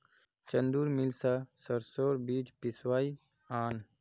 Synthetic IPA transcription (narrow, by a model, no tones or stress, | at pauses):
t͡ʃɐnd̪uːɾmilsasɐɾsoːɾbiːt͡ʃpiswaːi | aːn